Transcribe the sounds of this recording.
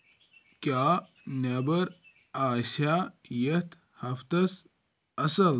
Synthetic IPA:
kjaːnɐbɐɾ | aːsajɐt̪ʰ | hɐft̪ɐs | ɐsɐl

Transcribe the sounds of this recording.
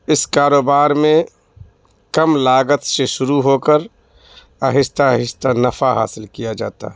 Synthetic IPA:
ɪskaːɾoːbaːɾmẽ | kəmlaːɡət̪seʃʊɾuɦoːkəɾ | ɐɦɪst̪aɦɪst̪anəfaɦa̰ːsɪlkijad͡ʒa̰ːt̪a̰

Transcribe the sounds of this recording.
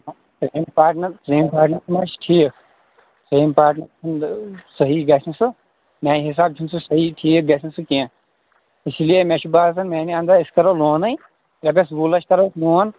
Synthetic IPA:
pɾeːmpaːʈnɐɾpɾeːmpaːɾʈnɐɾsmat͡ʃʈʰiːkʰ | pɾeːmpaːʈnɐɾsʰɐnsɐɦiɡɐsinsɨ | mãːiɦis̬aːb̚t͡ʃʰunsɨsɐɦiʈʰiːk̚ɡɐsinsɨkiã | ɪslijemeʃʰubaːsʰɐnmeːniɐ̃nd̪ɐiskɐɾoːloːnɐĩ | ɾɐb̬ʲes̬buːlɐt͡ʃʰkɐɾoːsloːn

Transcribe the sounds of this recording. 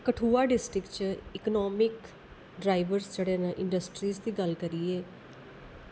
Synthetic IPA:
kəʈʰuːaːɖɪsʈɾɪkt͡ʃɪknɔːmɪk | ɖɾaːɪʋəɾsd͡ʒeːɽeːnaʔɪ̃ɳɖəsʈɾiːsd̪iːɡəlkəɾiːeː

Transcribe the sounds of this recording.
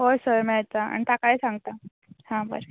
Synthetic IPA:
ɦosəɾmat͡saa̰ɳit̪akajsaŋɡt̪a | hãbə̰ɾ

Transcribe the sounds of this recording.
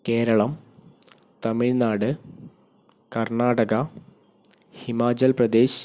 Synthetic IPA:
ke̞ːɾɐɭɐm | t̪ɐmiɻnaːɽɨ | kɐrnaːɽɐɣɐ | himaːt͡ɕɐlprɐd̪e̞ːɕ

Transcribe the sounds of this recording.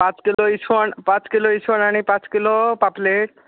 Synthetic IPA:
pãt͡ɕkiloit͡ʃʰonpãt͡ɕkiloit͡ʃʰonanipãt͡ɕkilopapleʈ̚

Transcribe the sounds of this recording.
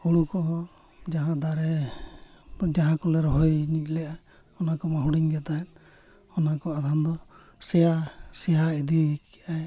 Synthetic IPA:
uɽukɔɦɔ | d͡ʒaɦãd̪aɾɛ | d͡ʒaɦãkɔlɛɾɔɦɔjɲic̪̚ˀlɛja | ɔnakɔmaɦuɽiɲɡɛt̪aɛn | ɔnakɔad̪ʱand̪ɔ | sɛjasɛɦaid̪ikɛʔae

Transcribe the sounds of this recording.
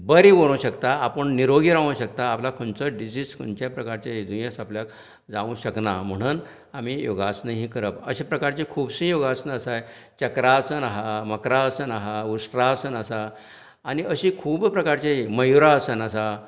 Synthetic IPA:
bəɾiʋoɽ̃ũɕəkt̪aapəɳniɾoɡiɾaʋũɕək̚t̪aːplakʰoɳt͡səɖid͡ʑiːskʰo̰nt͡ɕjapɾəkaɾt͡ɕaid̪ʱujasapljak | d͡zaʋũːɕəkna̰m̤əɽ̃uːn | amijoɡasnəɦĩkəɾəpəɕepɾəkaɾt͡ɕekʰuːbsĩjoɡasnəəsaj | t͡ɕəkɾaəsənaɦaməkɾaəsənaɦausʈɾaəsənəsaː | niəɕĩkʰuːbpɾəkaɾt͡ɕeɦiməjuɾaəsənəsa

